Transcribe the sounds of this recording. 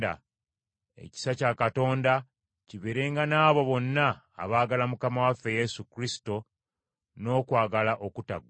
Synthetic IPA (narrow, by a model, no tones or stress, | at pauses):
da̰ | e̞̰ci̥sacakato̞ːnda | ciβeɾe̞ːŋɡanaːβo̞βo̞nːa̰ː | βaːɡalamukamawafːe̞je̞sukɾisi̥to̞ | no̞ːkwaːɡalaʔo̞kuta̰ɡwa